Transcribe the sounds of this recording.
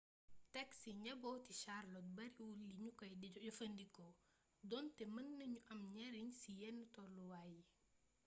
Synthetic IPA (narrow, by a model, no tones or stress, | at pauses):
tɛksiɲɐbɔwtiʃarlɔt̚bɐɾiwulːiɲukɔjdiɟɔfəndikɔ | dɔntɛmɐnːɐɲuʔɐmɲɛɾiɲsijɛnːutɔluwaːji